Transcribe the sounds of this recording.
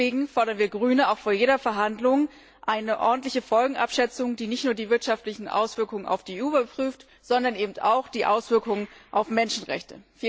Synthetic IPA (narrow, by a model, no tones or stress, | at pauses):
eːɡŋ̩fɔɐɾɐnviːɐɡʁyːnəaʊxfoːɐjeːdɐfɛɐɦandlʊŋ | ʔaɪnəʔɔ̰ɐdn̩tlɪçəfɔlɡŋ̩ʔapʃɛt͡sʊŋd̥iːnɪçtnuːɐdiːvɪɐtʃaftlɪçn̩ʔa̰ʊsv̥ɪɐkʊŋəna̰ʊfd̥iːuːbɐpʁ̥yːft | z̥ɔndɐnʔeːbm̩ta̰ʊxd̥iːʔaʊsv̥ɪɐkʊŋənʔaʊfmɛnʃn̩ʁɛ̰çtəfiː